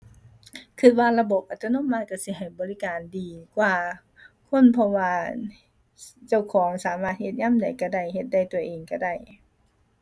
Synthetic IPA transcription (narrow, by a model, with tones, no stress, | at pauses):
kʰɯ˧t̪̚waː˧˨la˧bo˨˩p̚ʔa˨˧˩t̪ːno˧˥˨mːaː˧˥˨ka˧˩si˧˦ɦa˨˩jbɔː˨li˦˥kaː˨ndiː˨˩kwaː˨˩ | kʰo˧˥˨npʰɔ˧waː˧ | t͡ɕa˧˩wkʰɔː˩˦ŋsaː˨˦maː˧˩t̪̚he˧t̪̚ɲaː˧˥˨mda˨˩jka˧˩da˧˩jhe˧˦t̪̚da˧˩˨jt̪u˨˧˩ɐʔeː˨˩ŋka˧˩da˧˩˨j